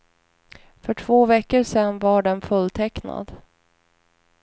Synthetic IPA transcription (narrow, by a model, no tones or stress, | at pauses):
fœʈʰv̥oːvɛkːəɾʂɛnːvaɖɛnfɵlt̪ʰɛkna̰d̪